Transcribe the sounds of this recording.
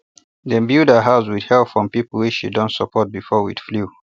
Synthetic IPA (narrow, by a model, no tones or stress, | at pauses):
dɛ̃mbidəɦazwidhɛlpfɹɔ̃mpipl̩ˠwit͡ʃʃḭdɔ̃ntsəpʰɔt̚bifɔwḭd̥flu